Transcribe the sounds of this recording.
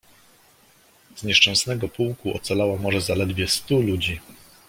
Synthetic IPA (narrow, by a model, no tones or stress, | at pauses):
z̥ɲɛʂt͡ʂɛw̃snɛɡɔpuwkuɔ̰t̪salawamɔʐɛzalɛd̪vʲjɛst̪ulud͡ʑi